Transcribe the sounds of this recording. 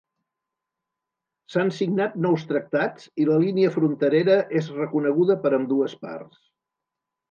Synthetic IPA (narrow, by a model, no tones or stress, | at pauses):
sansiɡnat̪̚nɔwst̪ɾək̚t̪at͡siləliniəfɾunt̪əɾeɾəʔezrəkunəɣ̞uðəpəɾəmd̪uəspa̰rs